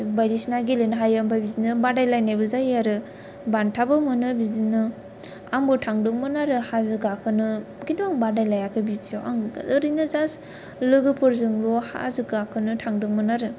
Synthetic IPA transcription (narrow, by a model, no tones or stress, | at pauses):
bajɾisnaɡilenɦajambajbizinɯbadajlajnajbɯzajaɾɯ | bantʰabɯmɯnɯbizinɯ | aŋbutʰaŋdɯŋmɯnaɾɯhazɯɡakʰɯnɯɡinduaŋbadajlajakʰɯbitʰioa̰ŋoɾinɯzas | lɯɡɯpʰɯɾzɯŋloha̰zɯɡakʰɯnɯtʰaŋdɯŋmɯnaɾɯ